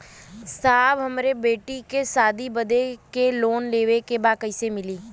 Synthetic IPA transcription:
saːbɦəmɾebeːʈikesaːd̪ibəd̪ekeloːnleːʋekebaːkəɪsemɪliː

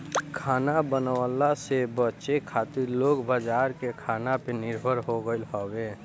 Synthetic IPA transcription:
kʰaːnabənəlasebətːt͡ʃekʰat̪iɾloɡbad͡ʒaɾkekʰanapenɪɾbʱəɾɦoɡəɪlɦɔbe

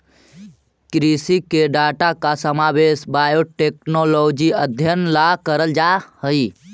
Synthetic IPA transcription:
kɾisikeɖaʈakasəmabesbajoʈeknolod͡ʒiəd̪ʱjənlakəɾəld͡ʒahəi

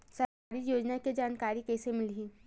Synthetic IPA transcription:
sɐɾkaːɾijoːd͡ʒnaked͡ʒaːnkaːɾikɛːsemɪlɦĩː

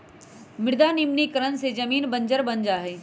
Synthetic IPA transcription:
mɪɽd̪aːnimnikəɾənsed͡ʒɐmiːnbəɲd͡ʒəɾbɐnd͡ʒaɦɛː

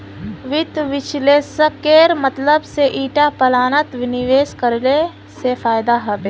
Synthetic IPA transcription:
ʋɪt̪ʋɪt͡ʃleːsəkeːɾmɐt̪ləbseʔiːʈapɐlaːnət̪ʋɪnɪʋeːskəɾle | sefaːjd̪aɦɐʋeː

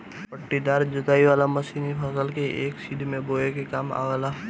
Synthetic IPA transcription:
pəʈːid̪aːɾd͡ʒʊt̪aːiʋaːlamɐsiːnipʰɐsəlkeʔeːksiːd̪ʱmẽboːekekaːma̰ʋəlaː

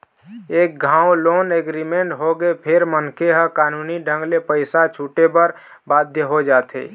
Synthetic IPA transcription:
eːk̚ɡʱãwloːneɡɾimeɳʈɦoɡepʰeɾmənkeɦə̃kaːnuːniɖʱə̃ŋɡlepəɪsat͡ʃʰuʈebəɾ | baːd̪ʱjəɦod͡ʒaːt̪ʰḛ

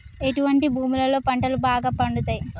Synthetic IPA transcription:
e̞ʈuʋɐɳʈibʱuːmulɐlo̞ːpɐɳʈɐlubaːɡaːpɐɳɖut̪aːji

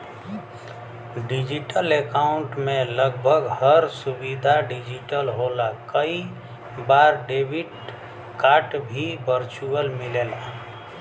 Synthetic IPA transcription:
ɖid͡ʒiʈəlekaʊɳʈmeləɡbʱəɡhəɾsubid̪ʱaɖid͡ʒiʈəlɦolakəi | baɾɖebʱiɖ | kaʈbʱibəɾt͡ʃuəlmilela

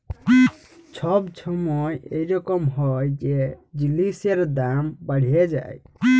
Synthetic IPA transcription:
t͡ʃʰɔbt͡ʃʰɔmɔjejɾɔkɔmɦɔjd͡ʒed͡ʒiliseɾd̪ambaɽ̤ied͡ʒa̰j

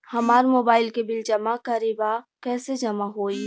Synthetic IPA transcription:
hɐmaːɾmoːbaːɪlkebɪld͡ʒɐmakɐɾebakɛːsed͡ʒɐmaɦoːi

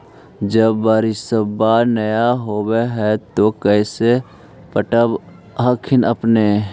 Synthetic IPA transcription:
d͡ʒəbːaːɾisəbanəjaɦoweɦɛt̪okɛːse | pəʈəb | ɦakʰɪnə̰pne

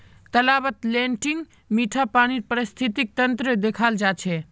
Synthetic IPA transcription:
t̪əlabət̪leɳʈiŋɡ | miʈʰapaɽ̃iɾpəɾist̪ʰit̪ik̚t̪ənt̪ɾəd̪ekʰald͡ʒat͡ʃʰɛ

